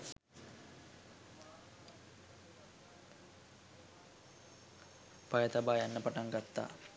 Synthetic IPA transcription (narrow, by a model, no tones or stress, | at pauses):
pajət̪abaːjanːəpaʈaŋɡat̪ːa̰ː